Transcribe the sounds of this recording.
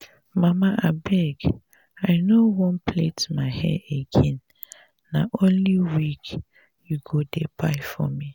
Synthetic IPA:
mamaʔabɛɡ | aɪnowɔ̃npʰletmaɪhɛ̰eɡɛ̃nː | aʔõnliwik | juɡodebaɪfɔ̰mi

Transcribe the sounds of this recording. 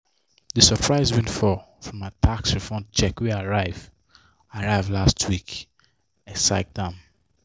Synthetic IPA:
ðəsəpʰɹaɪzwɛ̃ntfɔ | fɹɔ̃matʰaksɹifɔ̃nt͡ʃɛkwiaɹaɪv̥ | aɹaɪvlastʰwik | ɛsaɪk̚dãm

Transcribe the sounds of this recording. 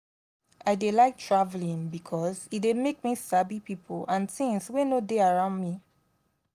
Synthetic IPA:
aɪdelaɪk̚tʰɹavlĩnbikʰɔzit̚demek̚misabipipʰolãnθĩŋswenodeaɹãʊ̃ndmi

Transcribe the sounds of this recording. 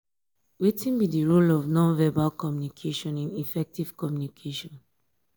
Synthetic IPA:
witʰĩnbidiɹulɔvnɔ̃nvɛbalkɔmjunikʰeʃɔ̃nĩnifɛk̚tiv̥kɔmjunikʰeʃɔ̃n

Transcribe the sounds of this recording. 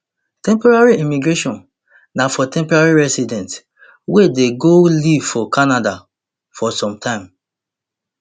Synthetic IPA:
tɛ̃mpɔɹaɹiimiɡɹeʃɔ̃n | nafɔtʰɛ̃mpɔɹaɹiɹɛsidɛ̃nt | wedeɡoliv̥fɔkanada | fɔsɔ̃mtʰãɪ̃m

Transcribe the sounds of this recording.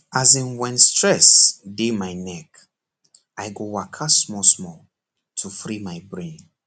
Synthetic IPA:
azĩnwɛ̃nstɹɛsdemajnɛk | ajɡowakʰasmɔsmɔl | tʰufɹimajbɹẽn

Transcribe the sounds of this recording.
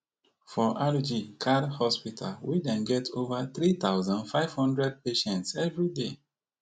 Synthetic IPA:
fɔʔalud͡ʒikʰadhɔspitʰa̰lwidɛ̃nɡɛtʰovaθɹit̪aʊzãnfaɪv̥hɔ̃ndɹɛd̚peʃɛ̃ntsɛvɹide

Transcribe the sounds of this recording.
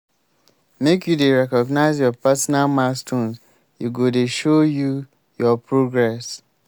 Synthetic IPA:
mekjudeɹɛkɔɡnaɪzjɔpɛsɔnalmastʰõns | juɡodeʃoju | jɔpɹoɡɹɛs

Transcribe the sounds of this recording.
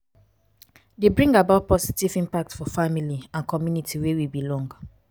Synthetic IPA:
debɹĩŋɡabaʊt̚pʰɔsi̥tivĩmpak̚tfɔfamiliãnkʰɔmjunitʰiwewibilɔ̃ŋɡ

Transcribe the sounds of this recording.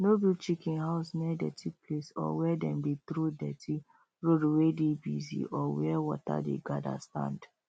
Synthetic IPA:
nobit͡ʃikĩnhaʊsmɛdɛtʰiplesɔ̰wɛdɛ̃mbit̪ɾudɛtʰi | ɹoduwedebizḭʔɔwɛwɔ̰ta̰dḛɡada̰stã̰nd

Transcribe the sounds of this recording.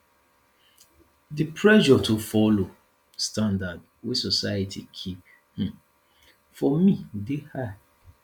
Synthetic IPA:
dipʰɹɛʒɔtʰufɔlo | stãndad | wesɔsaatʰikʰip̩̚ | fɔmĩdeha

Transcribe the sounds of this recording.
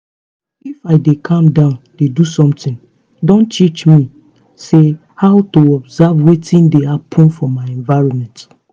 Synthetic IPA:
ifaɪdekʰãmdãʊ̃nd̥edusɔ̃mtĩn | dõntit͡ʃmi | se | hawtoɔbzavwetĩndehapʰɔ̃nfɔmaɪɛ̃nvaɪɹɔ̃nmɛ̃nt

